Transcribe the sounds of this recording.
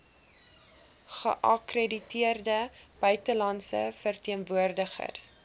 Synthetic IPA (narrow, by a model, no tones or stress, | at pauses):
χə̰ʔɐkreditiərdəb̥œɥtəlɐnsə̰fərtiənvuərdəχə̰rs